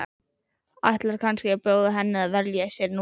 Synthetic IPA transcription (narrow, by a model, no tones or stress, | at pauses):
a̰jht̪laɾ̥kʰanscɪɛpoːwðɪɦɛnːɪðaðvɛɾljasjɛɾnu